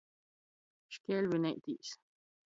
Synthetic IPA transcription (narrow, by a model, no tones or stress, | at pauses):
ʃkelbineʔt̪ḭs